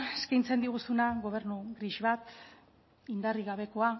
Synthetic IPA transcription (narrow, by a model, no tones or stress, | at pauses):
eskajnt͡se̞nd̪iɣ̞usunaɣo̞β̞e̞ɾnuɣɾiʃβat̪ | ind̪ariɣaβe̞ko̞a